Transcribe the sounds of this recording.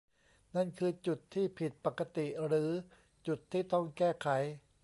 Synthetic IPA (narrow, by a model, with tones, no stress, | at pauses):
na˥˩nkʰɯː˧t͡ɕu˨˩t̪ʰːiː˥˩pʰi˨˩t̪̚pa˨˩kːa˧˦t̪i˨˩ʔɾɯː˩˦ | t͡ɕu˨˩t̪ʰːiː˥˩t̪ɔ˥˩ŋkɛː˥˩kʰa˩˦j